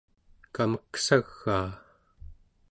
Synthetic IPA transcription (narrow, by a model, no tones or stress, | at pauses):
kaməksaɣːaː